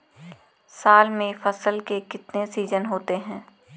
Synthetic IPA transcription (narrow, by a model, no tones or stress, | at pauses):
saːlmẽfɐsəlkekɪt̪nesiːzənɦoːt̪eɦɛ̃ː